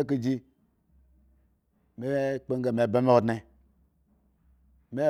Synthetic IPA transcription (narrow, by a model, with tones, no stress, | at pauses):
e˦k̬i˦d͡ʒi˦ | me˦k͡pe˦ŋ˦ɡe˨me˨be˦me˦o˨dne˨ | me˦